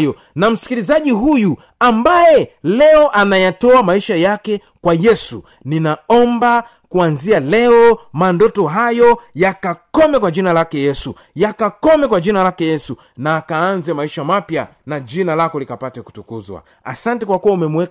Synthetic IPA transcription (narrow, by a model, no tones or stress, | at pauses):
jɔ | nam̩si̥kilizaʄiɦuju | ambajɛlɛɔʔanajatɔamaiʃajakɛ | kwajɛsu | ninaɔmba | kuanzialɛɔmandɔtɔɦajɔjakakɔmɛkwad͡ʒinalakɛjɛsu | jakakɔmɛkwad͡ʒinalakɛjɛsu | naːkaanzɛmaiʃamapja̰ | nad͡ʒinalakɔlikapatɛku̥tukuzwa̰ | a̰santɛkwakuwaumɛmuwɛ